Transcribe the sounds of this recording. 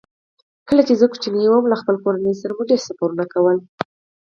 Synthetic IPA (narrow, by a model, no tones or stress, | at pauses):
kəlat͡ʃezəku̥t͡ʃinajwəmlaxpəlkoɾanəjsaɾamuɖeɾsapoɾunakawəl